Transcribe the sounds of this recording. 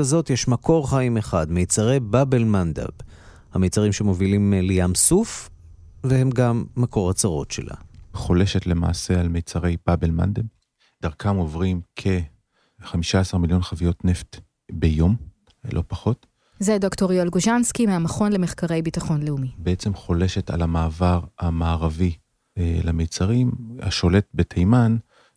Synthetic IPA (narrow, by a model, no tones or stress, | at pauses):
azo̞tjeʃmako̞ʁχaimeχadmejt͡saʁejbabelmand̪a̰b | hamejt͡saʁimʃemo̞vilimlejamsuf | vehe̞mɡamːako̞ʁat͡saʁo̞̰tʃḛlʔa̰χoleʃet̪lema̰ːse̞almejt͡saʁe̞jb̥abelma̰nd̪ab | d̥aʁkʰamo̞vʁimkʰe̞ | χamiʃaasaʁmiljo̞nχavijo̞tneft | bejo̞m | lʔo̞̰paχo̞t | zedoktoʁjolɡoʃanskimeamaχo̞nlemeχkaʁe̞jbitaχo̞nleumibeet͡semχo̞le̞ʃe̞ta̰lamaːvaʁamaːʁavi | lemejt͡saʁima̰ʃo̞le̞t̚betʰejman